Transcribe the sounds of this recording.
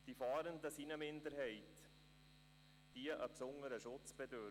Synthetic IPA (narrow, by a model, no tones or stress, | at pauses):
d̥ifɑːɾəndəsinəmɪnd̪əɾhɛɪt | d̥iəʔəpsʊŋəɾəʃʊt͡sb̥ɛdø